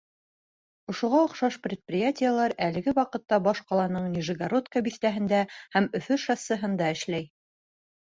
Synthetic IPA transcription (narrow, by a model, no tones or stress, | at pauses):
ŏʃuʁɑŏqʃɑʃprʲɪt̪̚prʲɪjatʲɪjəlˠɑɾælɘ̆ɡɘwɑqɤ̆t̪ːɑbɑʃqɑlˠɑnɤɴnʲɪʒɘ̆ɡaɾot̪kəbiθt̪æɦɘ̆nd̪æhæmɵ̆fɵʃɑsɤ̆ɦɤ̆nd̪ɑɘ̆ʃlæj